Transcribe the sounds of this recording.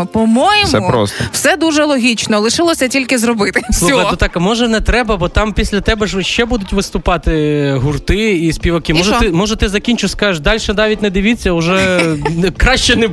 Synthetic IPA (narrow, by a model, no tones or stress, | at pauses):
pɔmɔjsmɛʊɾɔ̰stwsɛd̪uʒɛlˠɔɦʲit͡ʃnɔlˠɪʃɪlˠɔsʲɐtʲilʲkɪzɾɔbɪt̪ɪssˠuxɐj̪ɛt̪ɑkmɔʒɛnɛt̪ɾɛbɐbɔt̪ɑmpʲisʲlʲɐt̪ɛbɛʒʃt͡ʃɛbud̪ʊtʲʋɪst̪ʊpɑt̪ɪɦʊrt̪ɪisʲpʲiʋɐkɪmɔʒt̪ɪmɔʒɛt̪ɪzɐkʲinʲt͡ʃʊsʲkɑʒeʃd̪ɑlʲʃɛnɑʋʲitʲnɛd̪ɪʋʲit͡sʲːɐʊʒɛ | kɾɑʃt͡ʃɛnɛ